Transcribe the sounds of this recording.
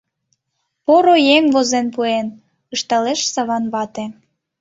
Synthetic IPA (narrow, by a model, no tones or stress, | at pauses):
poɾojeŋvozenpuen | əʃt̪ɑleʃsɑβɑnβɑt̪e